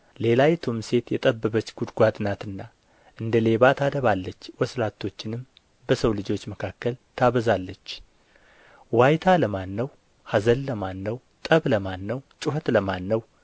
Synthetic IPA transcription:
le̞lajɛt̪ʰumse̞t̪jɛt̪ʼəbːəβət͡ʃːɡ̥ud̪ɡʷad̪nat̪ɨnːa | ʔɨnd̪əle̞βat̪ʰad̪əβalːət͡ʃːwɔslat̪ʰːo̞t͡ʃːɪnɨm | bəsəwlɨd͡ʒo̞t͡ʃːməkʰakːəlt̪ʰaβəzalːət͡ʃː | wajt̪ʰaləmanːəw | hazəlːəmanːəw | t̪ʼəβləmanːəwt͡ʃʼʊɦət̪ləmanːəw

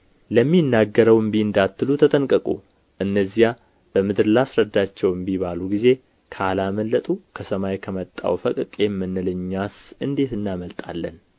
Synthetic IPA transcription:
ləmːinːaɡːəɾəwɨmbiɨnd̪at̪ːɨlut̪ʰət̪ʼənkʼəkʼṵ | ʔɨnːəzːija | b̥əmɨd̪ɨɾlasɾəd̪ːat͡ʃːɛwmbiβaluɡize̞ | kʰəalaməlːət̪ʼukʰəsəmajkʰəmət̪ʼːa̰wfəkʼkʼjɛmːɨnːɨlɨɲːasɨnd̪e̞t̪ɨnːaməlt̪ʼa̰lːən

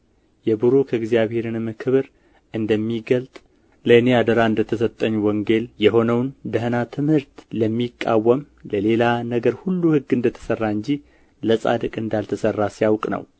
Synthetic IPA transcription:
jɛbɨɾokʰəɪɡzijaβhe̞ɾɨnməkʰɨβɨɾ | ʔɨnd̪əmːiɡəlt̪ʼ | ləɨne̞ad̪əɾaɨnd̪ət̪ʰəs̬ət̪ʼːəɲːwɔŋɡe̞ljɛɦo̞nəwnd̪əɦnat̪ʰɨmhɨɾt̪ləmːikʼːa̰wːəm | ləle̞lanəɡəɾhulːuhɨɡːɨnd̪ət̪ʰə̥sərːaɨɲd͡ʒi | ləsʼa̰d̪ɨkʼɨnd̪alt̪ʰəsərːasijawkʼnə̰w

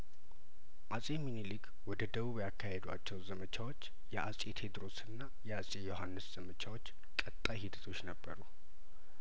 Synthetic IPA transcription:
ʔasʼeminilik | wɔd̪əd̪əβuβjakʰːahed̪wa̰t͡ʃːɛwzəmət͡ʃʰawo̞t͡ʃː | jɛʔasʼet̪ʰe̞d̪ɾo̞sɨnːajɛasʼejo̞ɦanːɨsz̥əmət͡ʃʰawo̞t͡ʃː | kʼət̪ʼːajhid̪ət̪ʰo̞t͡ʃːnəbːəɾu

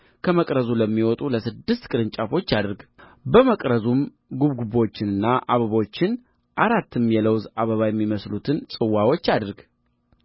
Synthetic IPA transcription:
kʰəməkʼɾəzuləmːiwɔt̪ʼuləsɨd̪ːɨst̪kʼɨɾɨnt͡ʃʼafo̞t͡ʃːad̪ɨɾɡ | bəməkʼɾəzum | ɡuβɡuβo̞t͡ʃːɪnɨnːaʔaβəβo̞t͡ʃːɪn | ʔaɾat̪ːɨmjɛləwzaβəβajɛmːiməslut̪ʰɨnsʼɨwːawo̞t͡ʃːad̪ɨɾɡ

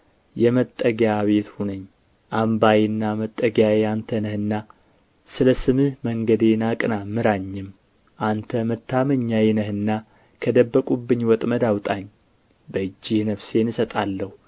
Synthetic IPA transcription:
jɛmət̪ʼːəɡjaβe̞t̪hunəɲː | ʔambajenːamət̪ʼːəɡjajeant̪ʰənəhɨnːa | sɨləsɨmɨhməŋɡəd̪enakʼɨnamɨɾaɲːɪm | ʔant̪ʰəmət̪ʰːaməɲːajɛnəhɨnːa | kʰəd̪əbːəkʼubːɨɲːwɔt̪ʼməd̪awt̪ʼaɲː | bəɨd͡ʒːɪhnəβse̞nɨsət̪ʼalːəhu

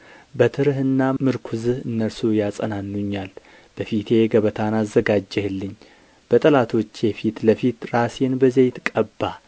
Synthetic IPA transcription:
bət̪ʰɨɾhɨnːamɨɾkʷʰuzɨhɨnːəɾsujasʼənanːuɲːal | b̥əfit̪ʰe̞ɡəβət̪ʰanazːəɡad͡ʒːɛhlːɨɲː | b̥ət̪ʼəlat̪ʰo̞t͡ʃːjɛfit̪ləfit̪ɾasenbəzejɪt̪kʼːəbːa

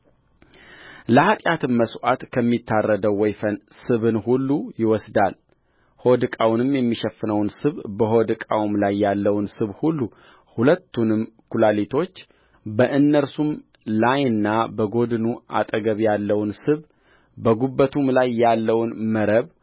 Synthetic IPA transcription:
ləhat̪ʼjat̪ʰɨmːəswat̪kʰəmːit̪ʰːarːəd̪əwːɔjfənsɨβɨnhulːujɪwɔsd̪al | hod̪ɨkʼawnɨmjɛmːiʃəfːɨnəwnsɨβbəɦod̪ɨkʼawmlajːalːəwnsɨβhulːu | hulət̪ːunɨmkʰulalit̪ʰo̞t͡ʃː | bəʔɨnːəɾsum | lajɨnːabəɡo̞d̪ɨnuʔa̰t̪ʼəɡəβjalːəwnsɨβ | bəɡubːət̪ʰumlajːalːəwnməɾəβ

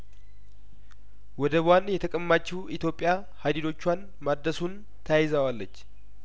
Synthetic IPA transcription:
wɔd̪əbanjɛt̪ʰəkʼəmːat͡ʃːuwit̪jo̞pʼːja | had̪id̪o̞t͡ʃːwan | mad̪ːəsun | t̪ʰəjajɪzəwalːət͡ʃː

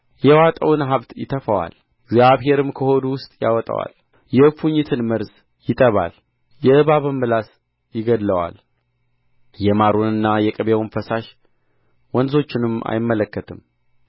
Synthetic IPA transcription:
jɛwat̪ʼəwnɦaβt̪jɪ̰t̪ʰəfəwa̰l | ɡzjaβɦe̞ɾɨmkʰəho̞d̪uwʊst̪ʼja̰wɔt̪ʼə̰wa̰l | jɛfuɲːɪt̪ʰɨnməɾs | jɪt̪ʼəβa̰l | jɛɨβaβɨmbɨlas | jɪɡəd̪ləwa̰l | jɛmaɾonɨnːajɛkʼəβewnfəsaʃ | wɔnzo̞t͡ʃːɪnɨma̰jɪmːələkːət̪ʰɨm

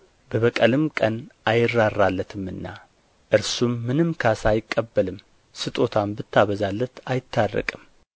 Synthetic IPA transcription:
bəβəkʼəlɨmkʼənʔajɪrːarːalːət̪ʰɨmːɨnːa̰ | ʔɨɾsumːɨnɨmkʰasajɪkʼːəbːəlɨm | sɨt̪ʼo̞t̪ʰambɨt̪ːaβəzalːət̪ajɪt̪ʰːarːə̰kʼɨm

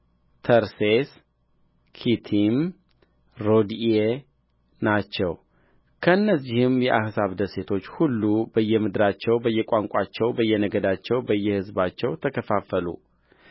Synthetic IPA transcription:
t̪ʰəɾses | kʰit̪ʰim | ɾo̞d̪e | nat͡ʃːɛw | kʰəɨnːəzːihɪmjɛʔahsaβd̪əse̞t̪ʰo̞t͡ʃːhulːubəjːɛmɨd̪ɨɾat͡ʃːɛwbəjːɛkʼaŋkʼat͡ʃːɛwbəjːɛnəɡəd̪at͡ʃːɛwbəjːɛhɨzbat͡ʃːɛwt̪ʰəkʰəfafəlṵ

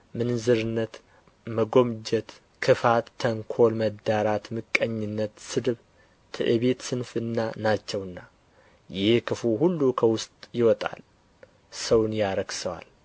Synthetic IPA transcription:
mɨnzɨɾɨnːət̪ | məɡo̞md͡ʒɛt̪ | kʰɨfat̪ʰːəŋkʰo̞lməd̪aɾat̪mɨkʼːəɲːɪnːət̪sɨd̪ɨβ | t̪ʰɨ̰ʔɨβe̞t̪sɨnfɨnːanat͡ʃːɛwɨnːa | jɪhekʰɨfuɦulːukʰəwʊst̪ʼjɪwɔt̪ʼa̰l | səwnjaɾəɡsəwa̰l

